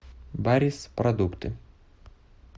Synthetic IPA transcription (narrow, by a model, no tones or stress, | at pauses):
baɾʲispɾɔd̪ʊkt̪ɨ